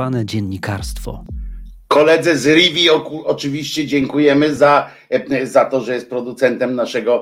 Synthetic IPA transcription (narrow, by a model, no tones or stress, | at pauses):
anɛd͡ʑɛɲːikaɾst̪fɔ̰kʰɔlɛd̪zɘzɾivʲiɔkuɔt͡ʂɘvʲiɕt͡ɕɛd͡ʑɛŋkujɛmɘza | zat̪ɔʐɛjɛst̪̚pɾɔd̪ut̪sɛnt̪ɛmnaʂɛɡɔ